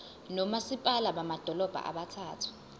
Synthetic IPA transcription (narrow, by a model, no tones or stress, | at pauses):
nɔmasipʼalaɓamad̥ʱɔlɔb̥ʱa̰ʔa̰ɓatʰaːtʰu̥